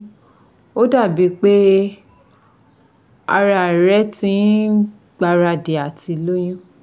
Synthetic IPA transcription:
o˦da˦˨bi˨˦k͡pe˦ | a˧ɾa˧˨ɾɛ˨˦tĩ˦ | ɡ͡ba˧ɾa˧de˨a˨ti˧lo˦j̃ĩ˦

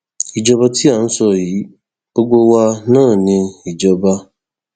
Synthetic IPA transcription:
i˨d͡ʒɔ˦ba˦tʰi˦a˨n̩˦sɔ˦˨ji˨˦ | b̥o˦ɡ͡bo˦wa˦nãː˦˨nɪ̃˨i˨d͡ʒɔ˦ba˦

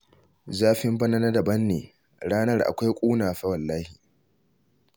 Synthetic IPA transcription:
zaː˦ɸɪ˦mbɐ˦na˦na˦dɐ˨bɐ˦nːḛː˨ | ɽaː˦nɐ˦rʔa̰˨kʷa˦jkʷʼuː˦naː˨ɸɐ˦wɐ˨lːaː˦hi˨

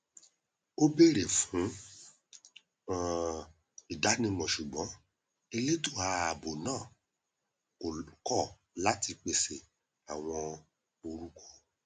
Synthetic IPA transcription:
o˦be˦ɾe˨fũ˨˦ | i˨da˨˦nĩ˧mɔ̃˨ʃu˨ɡ͡bɔ̃˨˦ | e˧le˦to˦˨a˧˨a˨bo˨nãː˦˨ | kɔ˦˨ | la˦ti˧k͡pe˧se˨ | a˨w̃ɔ̃˧ | o˧ɾu˦ko̥˦

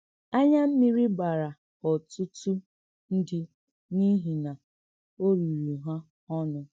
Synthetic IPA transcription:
a˦ɲa˦m̩˦mi˦ɾi˦ɡ͡ba˨ɾa˨ | ɔ˨tʊ˦tu˦ | n̩˦dɪ˦ | ni˦ɦi˨na˨ | o˦ɾi˨ɾu˨ɦa˦ | ɔ˦nʊ˦

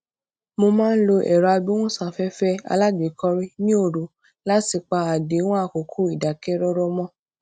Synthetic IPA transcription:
mo˧mãː˦n̩˦lo˧ʔɛ̰˨ɾɔ˨a˧bĩ˦w̃ɔ̃˦sã˨fɛ˦fɛ˦a̰˧la˦ɡe˨˦kɔ˧ɾi˦nĩ˦o˦˨ɾu˨˦ | la˦ti˨k͡pa˧a˨de˨˦w̃ɔ̃˦a˦˨ko˨˦kʰo˦i˨da˨kɛ˦ɾɔ˦ɾɔ˧mɔ̃˦

